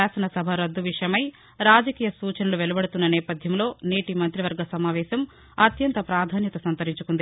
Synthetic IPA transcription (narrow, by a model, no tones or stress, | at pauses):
aːsɐnɐsɐbʱɐɾɐd̪ːuʋiʂɐjɐmɐj | ɾaːd͡ʒɐkiːjɐsuːt͡ʃɐnɐluʋelɐbɐɽut̪unːɐnɛːpɐd̪ʱjɐmlo̞ːneːʈimɐnt̪ɾiʋɐɾɡɐsɐmaːʋɛːsɐm | ɐt̪jɐnt̪ɐpɾaːd̪ʱaːnjɐt̪ɐsɐnt̪ɐɾiɲt͡ʃu̥kund̪i